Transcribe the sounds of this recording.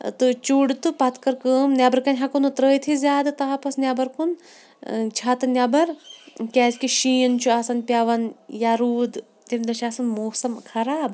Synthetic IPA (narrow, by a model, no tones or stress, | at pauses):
t̪ɨt͡ʃuɖt̪ɨpɐt̪ʰkɐɾkəːmnʲabɐɾkɐnʲɦakunɨt̪ɾəːjt̪ʰizʲaːd̪ɨt̪ɐɦapɐsnʲabɐɾkun | t͡ʃʰaːt̪ɨnʲɐbɐɾkʲɛːzʲkiʃiːnt͡ʃʰuaːsɐnpʲjaʋɐnjaɾuːd̪ | t̪ʲimʲd̪ɐʃaːsɐnmoːsɐmkʰɐɾaːb